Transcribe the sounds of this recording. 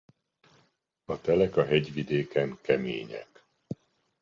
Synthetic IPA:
ɒt̪ɛlɛkɒɦɛɟʋid̪eːkɛŋkɛmḛːɲɛ̰k

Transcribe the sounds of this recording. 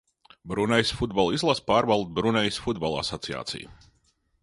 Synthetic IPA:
bɾunɛjsfud̪balˠizlˠaspaːɾvalˠd̪̚bɾunɛjsfud̪̚balˠa̰sɔt̪sia̰ːt̪sḭj

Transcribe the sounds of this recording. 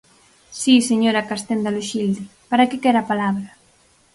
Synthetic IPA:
siseɲoɾakast̪end̪aluʃild̪ipaɾakekɛɾapalaβɾa

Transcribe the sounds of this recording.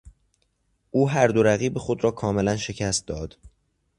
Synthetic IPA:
ʔuːɦæɾd̪o̞ɾæɣiːbexo̞d̪ɾɒːkʰɒːme̞lænʃe̞cʰæst̪̚d̪ɒːd̪̥

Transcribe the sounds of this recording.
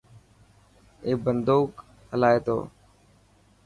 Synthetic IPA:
eːbənd̪oːk | həlaːeːt̪o̰ː

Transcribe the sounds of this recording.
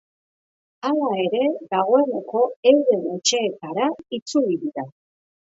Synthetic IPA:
alae̞ɾe̞ɣaɣ̞o̞e̞ne̞ko̞e̞wðe̞nut͡ʃeːt̪aɾait͡suliðiða

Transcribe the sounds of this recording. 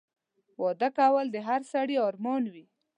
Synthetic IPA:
wɑd̪akawəld̪əɦaɾsaɽiɑɾmɑnwi

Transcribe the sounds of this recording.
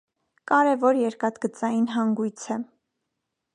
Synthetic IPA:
kɑɾɛvɔɾjɛɾkɑt̪ɡət͡sɑjinɦɑŋɡujt͡sʰɛ

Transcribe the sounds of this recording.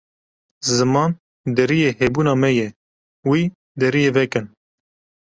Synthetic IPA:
zɨmɑːn | d̪ɛɾijeːheːbuːnɑːmɛjɛ | wiː | d̪ɛɾijeːvɛkɨn

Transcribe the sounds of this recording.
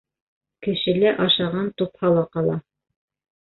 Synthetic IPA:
kɘ̆ʃɘ̆læʔɑʃɑʁɑnt̪uphɑlˠɑqɑlˠɑ

